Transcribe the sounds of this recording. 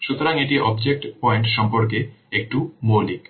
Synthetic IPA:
ʃut̪oɾaŋeʈiʔɔbd͡ʑek̚ʈpɔjeɳʈʃɔmpoɾkeek̚ʈumolik

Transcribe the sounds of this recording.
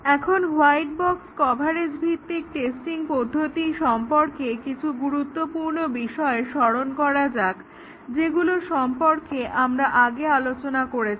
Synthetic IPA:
ɛkʰonwajʈbɔkskɔbʱaɾed͡ʑbʱit̪ːik̚ʈesʈiŋpod̪ʱːot̪iʃɔmpoɾkekit͡ɕʰuɡuɾut̪ːopuɾnobiʃɔeʃɔɾonkɔɾad͡ʑak | d͡ʑeɡuloʃɔmpoɾkeʔamɾaʔaɡealot͡ɕonakoɾet͡ɕʰi̥

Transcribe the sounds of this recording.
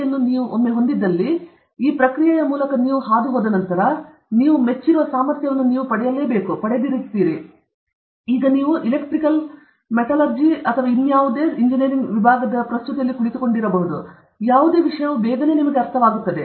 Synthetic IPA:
ɐnːuniːʋuʔomːeɦond̪id̪ːɐlːi | iːpɾɐkɾijajɐmuːlɐkɐniːʋuɦaːd̪uɦoːd̪ɐnɐnt̪ɐɾɐ | niːʋumet͡ʃːiɾuʋɐsaːmɐɾt̪jɐʋɐnːuniːʋupɐɽɛjɐle̞ːbeːkupɐɽed̪iɾist̪iːɾi | iːɡɐniːʋuʔilekʈɾikɐl | mɛʈ̪alɐɾd͡ʒiɐt̪ʰɐʋaːinjaːʋud̪e̞ːɾiɲd͡ʒiniɾiŋɡʋibʱaːɡɐd̪ɐpɾɐst̪ut̪ɐjɐlːikuɭit̪uko̞ɳɖiɾɐbɐɦud̪u | jaːʋud̪e̞ːʋiʂɐjɐʋubɛːɡɐne̞ːnimɐɡeɐɾt̪ʰɐʋaːɡut̪ːɐd̪e̞

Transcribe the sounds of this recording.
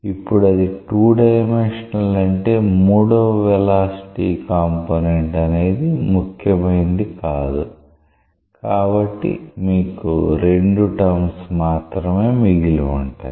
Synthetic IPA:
ipːuɽɐd̪iʈuːɖɐjmenʂɐnɐlɐɳʈe̞ːmuːɽoːʋɛlaːsi̥ʈiːkaːmpoːneɳʈɐne̞ːd̪imukʰjɐmɐjind̪ikaːd̪u | kaːbɐʈːḭmiːkṵɾe̞ɳɖuʈɐmsmaːt̪ɾɐme̞ːmiɡiluuɳʈa̰ː

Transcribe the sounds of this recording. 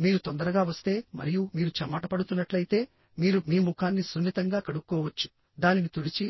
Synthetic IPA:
miːɾut̪ond̪ɐɾɐɡaːʋɐst̪e̞ːmɐ̰ɾijumiːɾut͡ʃɐmaːʈɐpɐɽut̪unːɐʈlɐjit̪e̞ː | miːɾumiːmukʰaːnːisunːit̪ɐŋɡaːkɐɽukːɔːʋɐt͡ʃːu̥ | d̪aːninit̪uɽit͡ʃi

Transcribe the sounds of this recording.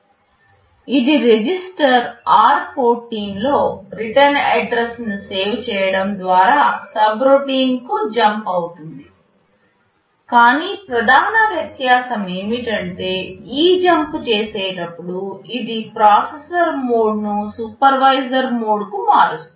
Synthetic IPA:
id̪iɾed͡ʒisʈɐɾaːɾpʰo̞ːʈːiːnlo̞ːɾiʈɐnɐɖɾesnuseːwt͡ʃɛːjɐɽɐmd̪ʋaːɾaːsɐbɾoːʈiːŋkud͡ʒɐmpɐwut̪und̪i | kaːniːpɾɐd̪ʱaːnɐʋjɐt̪jaːsɐme̞ːmiʈɐɳʈe̞ːiːd͡ʒɐmpt͡ʃeːseːʈɐpːuɽuid̪ipɾaːsesɐɾmoːɖnusupɐɾʋɐjzɐɾmoːɖkumaːɾus

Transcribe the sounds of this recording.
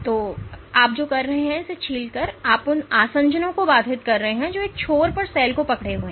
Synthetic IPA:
t̪oːaːp̚d͡ʒoːkɐɾːɐɦeɦɛ̃ɪset͡ʃʰiːlkɐɾaːpʊnaːsə̃ɲd͡ʒənõkobaːd̪ʱɪt̪kɐɾːɐɦeɦɛ̃d͡ʒoːeːk̚t͡ʃʰoːɾpɐɾsɛːlkopɐkɽeɦoẽ

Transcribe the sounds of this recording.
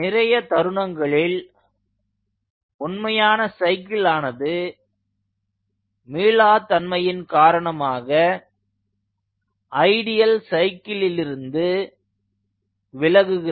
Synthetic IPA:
nɪɾɐjɐt̪ɐɾɯɳɐŋɡɐɭɪl | ʊnmɐjaːnɐsɐɪkɪlaːnɐðɯ | miːlaːt̪ɐnmɐjɪnkaːɾɐɳɐmaːɣɐ | ʔɐɪɽɪjɐlsɐɪkːɪlɪlɪɾɯnd̪ɯ | ʋɪlɐɣɯɣɪ

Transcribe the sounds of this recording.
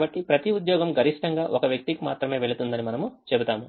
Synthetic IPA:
bɐʈːipɾɐt̪iud̪jɔːɡɐmɡɐɾiʂʈɐŋɡaːʔokɐʋjɐk̚t̪ikimaːt̪ɾɐme̞ːʋeɭut̪und̪ɐnimɐnɐmut͡ʃebut̪aːmu

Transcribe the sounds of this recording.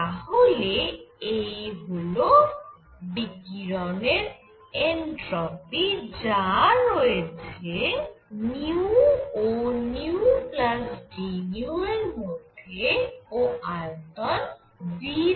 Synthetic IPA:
aɦoleejbolo | bikiɾɔneɾ | enʈɾɔpid͡ʒaɾojet͡ʃʰeniuoniuuplasd͡ʒinjuelmoʈʰeoalt̪ɔn | bi

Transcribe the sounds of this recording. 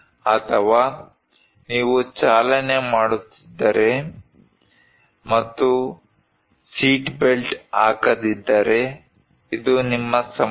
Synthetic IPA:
ɐt̪ʰɐʋaː | niːʋut͡ʃaːlɐnemaːɽut̪ːi̥d̪ːɐɾe̞ | mɐt̪ːu | siːʈbelʈaːkɐd̪id̪ːɐɾe̞ | id̪unimːɐsɐ

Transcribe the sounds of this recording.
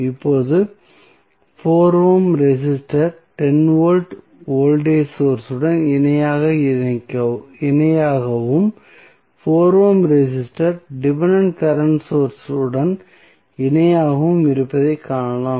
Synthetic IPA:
ɪpːoːðɯ | foːɾoːmɾɛsɪsʈɐɾʈɛnʋoːlʈ | oːlɖeːsoːɾsɯɽɐnɪnɐjaːɣɐkɐɪnɐjaːɣɐʋɯm | foːɾʋoːmɾɛsɪsʈɐɾɖɪʋɐɳɐɳʈkɐɾɐɳʈsoːɾsɯɽɐn | ɪnɐjaːɣɐʋɯmɪɾɯpːɐðɐɪkːaːɳɐlaːm

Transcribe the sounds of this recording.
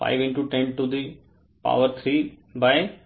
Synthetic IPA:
fa̰ɪʋɪ̃ɳʈuʈɛ̃ɳɖʈud̪i | pa̰ʋəɾt̪ʰɾiː | baɪ

